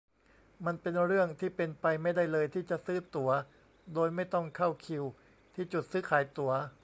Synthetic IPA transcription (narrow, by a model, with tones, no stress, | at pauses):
ma˧npe˧nɾɯ˥˩əŋt̪ʰiː˥˩pe˧npa˧jma˥˩jda˥˩jlɤː˧jt̪ʰiː˥˩t͡ɕa˨˩ʔsɯː˦˥˩t̪u˩˦ɐ | doː˧jma˥˩jt̪ɔ˥˩ŋkʰa˥˩wkʰi˧w | t̪ʰiː˥˩t͡ɕu˨˩t̪̚sɯː˦˥˩kʰaː˩˦jt̪u˩˦ɐ